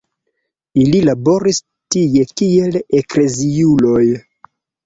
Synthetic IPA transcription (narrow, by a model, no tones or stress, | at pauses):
ililabo̞ɾis | tije̞kie̞lekle̞ziulo̞j